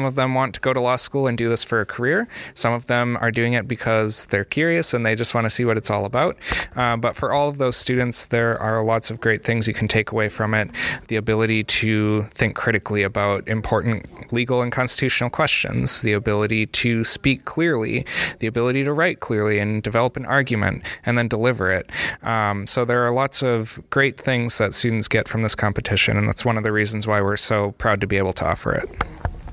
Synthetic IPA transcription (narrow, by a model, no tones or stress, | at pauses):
ʌ̃mʌvðə̃mwɑ̃ntʰəɡ̥oʊɾəlɔskulˠə̃ndɨðɪsfə˞ɨkʰə˞ɪɹsʌ̃mʌvðə̃mə̰˞dʉɪ̃ŋɨt̚b̥ɨkʰʌzðə˞kʰj̥ʊɹiɨsɨ̃nðeɪd͡ʒʌst̚wɑ̃ñʰɨsiwʌɾɨtsɔ̰lˠəbaʊt̚bʌtfə˞ʔɔlˠʌvðoʊz̥stʉdⁿn̩tsðə˞ʔə˞lɑtsʌvɡɹeɪt̪̚θɪ̃ŋzjɨkʰn̩tʰeɪkəweɪfɹʌ̃mɪt̪̚ðiɨbɪlˠəɾiɾɨθɪ̃ŋkʰɹ̥ɪɾɨkʰliɨbaʊɾɨ̃mpʰɔɹʔn̩tliɡl̩ˠə̃nkʰɑ̃nstə̥tʰʉʃnl̩ˠkʰw̥ɛst͡ʃɨ̰̃nz̥ðiɨbɪlˠəɾiɾɨspikʰl̥ɪɹlḭðiɨbɪlˠəɾiɾɨɹaɪt̚kʰl̥ɪɹlˠiɨ̃ndɨvɛlˠəpnʔɑɹɡjmɨ̰̃ntʔɨ̃nðɨ̃ndəlɪvə̰˞ɪt̚ | soʊðə˞ːlɑtsʌvɡ̥ɹeɪt̪̚θɪ̃ŋzðɨtstʉdⁿn̩tsɡ̥ɛtfɹʌ̃mðɪskʰɑ̃mpɨtʰɪʃɨ̰̃nɨ̃nðæ̰tswʌ̃nʌvðɨɹizn̩zwaɪwɪɹsoʊpʰɹ̥aʊd̚tɨbieɪbl̩ˠtʰəɔ̰fə̰˞ɪ̰t̚